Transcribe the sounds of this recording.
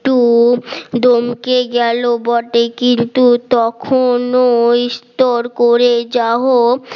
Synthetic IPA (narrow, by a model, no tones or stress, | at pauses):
ʈu | d̪omkeɡɛlobɔʈekint̪ut̪ɔkʰonoist̪oɾkoɾed͡ʑaɦo